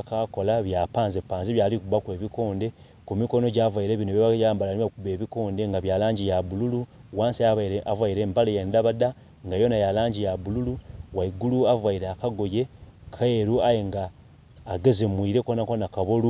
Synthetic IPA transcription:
kako̞laβjapaːnzipaːnziβjaːlikuβakwe̞ːβiko̞ːnde̞ | kumiko̞no̞ɟaːvwaiɾeːβinoβeajaːmbalaniwakuβe̞ːβiko̞ːndeŋɡaβjaːlaːɲɟijaβululuwaːnsiavwaiɾe̞ːmbalejendaβada | ŋɡajo̞najalaːɲɟijaβululuwaiɡuluavwaiɾeakaɡo̞je̞kʰeɾuajeŋɡaː | ɡezemwiɾekonakonakaβolu

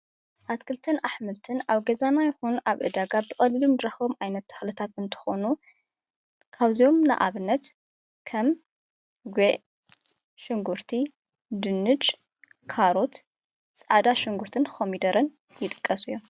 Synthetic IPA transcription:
ʔat̪kʰɨlt̪ʰɐnʔaħmɨlt̪ʰɨnaβɡɐzanajɪxonuʔaβʔɨd̪aɡabɨkʼɐlilumd̪ɾɐxo̞mʔajnɐt̪ːʰɐ̥xlɨt̪ʰat̪ɨnt̪ʰɨ̥xonu | kʰaβzijo̞mna̰ʔa̰βɨnːɐt̪ | kʰɐm | ɡʷeʔ | ʃɪŋɡuɾt̪ʰi | d̪ɨnːɨt͡ʃʼ | kʰaɾot̪ | sʼɐʕd̪aʃɨŋɡuɾt̪ʰɨnxʰomid̪ɐɾɐn | jɪt̪ʼɨ̥kʼːɐsujːom

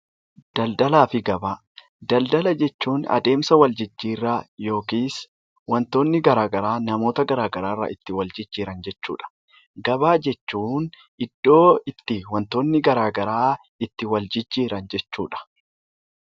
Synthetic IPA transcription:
d̪̥ɐld̪ɐlaːfɪɡɐbaː | d̪̥ɐld̪ɐlɐd͡ʒɛt͡ʃːuːnɐ̰d̪e̞ːmsɐwɐld͡ʒɪd͡ʒːiːrːaːjo̞ːkiːs | wɐnt̪oːnːɪɡɐɾaːɡɐɾaːnɐmo̞ːt̪ɐɡɐɾaːɡɐɾaːrːɐ̰ʔɪt̪ːɪwɐld͡ʒɪd͡ʒːiːɾɐnd͡ʒɛt͡ʃːṵːᶑɐ̥ | ɡɐbaːd͡ʒɛt͡ʃːuːn | ɪd̪̥ːo̞ːɪt̪ːɪwɐnt̪o̞ːnːɪɡɐɾaːɡɐɾaː | ɪt̪ːɪwɐld͡ʒɪd͡ʒːiːɾɐnd͡ʒɛt͡ʃːṵːᶑɐ̥

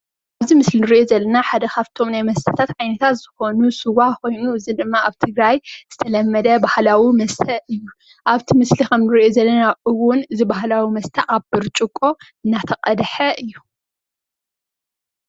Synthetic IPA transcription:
ʔaβzimɨslinɨɾiʔozɐlːɐnaħad̪ɐkʰaβt̪ʰo̞mnajmɐst̪ʰɐ̥t̪ʰat̪ʕajnɐt̪ʰat̪z̥ɨxo̞nusɨwako̞jnuɨzid̪ɨmːaaβt̪ʰɨɡɾajz̥ɨt̪ʰɐlɐmːɐd̪ɐbahlawimɐst̪ʰɐɨjːu | ʔaβt̪ʰimɨslixɐmnɨɾiʔozɐlːɐnaʔɨwʊnɨzibaɦlawimɐst̪ʰɐʔaβbɨɾt͡ʃʼɨkʼːo̞ | ɨnːat̪ʰɐqʼɐd̪ħɐʔɨjːu

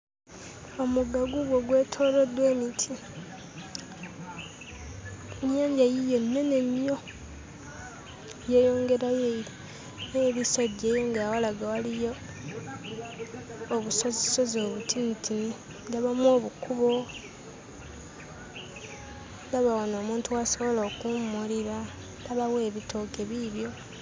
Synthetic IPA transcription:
o̞muɡaɡuɡwoɡwe̞ːtʰo̞ːlo̞dweːmitʰi | mjaːɲɟajijo̞nːenemjo̞ | je̞ːjo̞ːŋɡe̞ɾajeii | neβisadeːjoŋɡajawalaɡawalijo̞ | βusoziso̞zo̞ːβutʰintʰini | ɡaβamwo̞ːβukuβo̞ | ndaβawono̞ːmuːntuaso̞βoloːkumːuliɾa | ndaβawe̞ːβitʰo̞ke̞βiβjo̞

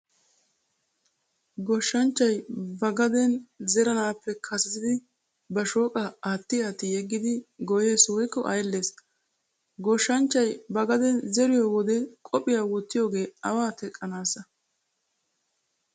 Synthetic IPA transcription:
ɡɔʃːɐnt͡ʃːɐjbɐɡɐd̪ɛnzɛɾɐnaːpːɛkʰɐsɪt̪ɪd̪ɪ | bɐʃo̞ːkʼɐaːt̪ːɪjaːt̪ːɪjɛɡːɪd̪ɪɡɔjeːswɔjkːɔʔɐjlːe̞ːs | ɡɔʃːɐnt͡ʃːɐjbɐɡɐd̪ɛnzɛɾɪjowɔd̪ɛkʼɔpʼɪjaːwɔt̪ːɪjoːɡe̞ːɐwaːt̪ɛkʼːɐnaːsɐ

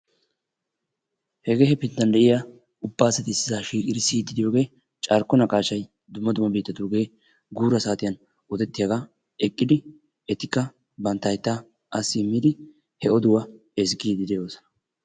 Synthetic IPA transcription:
hɛɡe̞ːɦɛpɪnt̪ːɐnd̪ɛʔɪja | ʊbːaːsɛt̪ɪsːɪzaːʃiːkʼɪd̪ɪsiːt̪ːɪd̪ɪjo̞ːɡe̞ː | t͡ʃʼɐɾkːɔnɐkʼaːʃɐj | d̪ʊmːɐd̪ʊmɐbiːt̪ːɐt̪uːɡe̞ː | ɡuːɾɐsaːt̪ɪjɐn | ɔd̪ɛt̪ːɪjɐɡaː | ɛkʼːɪd̪ɪ | ɛt̪ɪkːɐ | bɐnt̪ːɐjt̪ːa | ʔɐsːɪmːiːd̪ɪ | hɛɔd̪ʊwɐ | ɛs̬ɡiːd̪ɪd̪ɛjo̞ːsɔ̥nɐ̥

